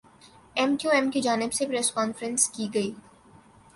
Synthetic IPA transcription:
ɛmʈjuːɛmkid͡ʒaːnɪbsepɾɛːskɔːnfɾə̃nskiɡɐiː

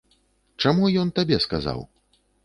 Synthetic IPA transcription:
t͡ʂamujɔnt̪abʲɛska̰za̰w

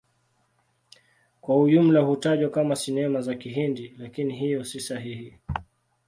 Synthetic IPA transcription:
kwauʄum̩lahutaʄwakamasinɛmazakiɦindilakiniɦijɔsisaɦihi

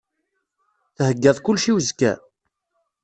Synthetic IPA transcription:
θhəɡːæðˤkʊlːʃiwəzkːæ̰

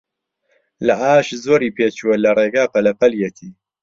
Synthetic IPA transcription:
lɐʔaːʃzoːɾiːpʰeːt͡ʃuwɐlɐreːɡaːpɐlɐpɐljet̪ʰiː

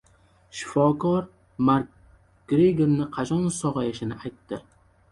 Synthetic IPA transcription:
ʃɪ̥fɒkɒɾ | maɾk̚ | ɡ̥ɾeɡʲeɾnɪqʰɑt͡ʃʰɒnsɒʁɑjaʃɪnɪʔajt̪ːɪ

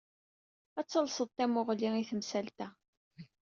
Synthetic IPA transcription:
æt͡sːəlsəðˤt̪æmʊʁliŋiθəmsælt̪æ

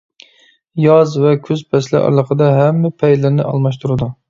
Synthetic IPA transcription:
jɑzvɛkʲʰøzpʰɛslɪ̰ʔɑ̰ɾlˠəqəd̪ɑɦɛmːɪpʰɛjlɪɾnɪʔɑ̰lˠmɑʃ̬t̪ʰuɾɨd̪u

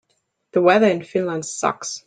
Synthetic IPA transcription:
ðəwɛðə˞ɨ̃nfɪ̃nlə̃ndsʌ̰ks

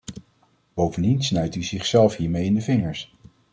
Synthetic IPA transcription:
b̥owvəndinsnœɥtyzɪχsɛlˠfɦiːɹmejɪndəvɪŋəɹs

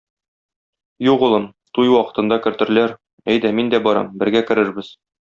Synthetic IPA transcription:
juʁŭlˠɤn | t̪ujwɒqɤ̆t̪ɤ̆nd̪ɑkɘ̆ɾt̪ɘ̆ɾɘ̆læɾ | æjd̪æmind̪æbɒɾɑ̰mbɘ̆ɾɡækɘ̆ɾɘɾbɘz

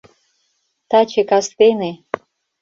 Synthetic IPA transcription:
t̪at͡ɕekast̪ene

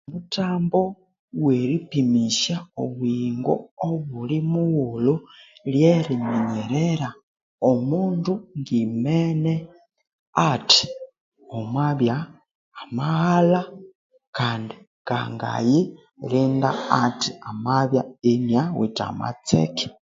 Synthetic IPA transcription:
mutaːmbo | weɾipimiʃao̰βwiŋɡo̰oβulimuwululjeɾimeɲeɾeɾa | omuːnduŋɡimene | ati̥ | omwaβjaː | mahala | kaːndi | ka̰ŋɡa̰ji | ɾiːnda̰atiamaβjaenjawḭta̰ma̰t͡sḛki̥

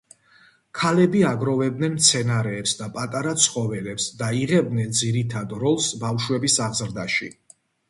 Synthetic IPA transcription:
kʰalɛbiaɡɾɔvɛb̚d̪nɛnmt̪sʰɛnaɾɛːpsd̪apʼat̪ʼaɾat̪sʰχɔvɛlɛpsd̪aiʁɛb̚d̪nɛnd̪ziɾit̪ʰad̪ɾɔlˠsbafʃwɛbisaʁzɾd̪aʃḭ

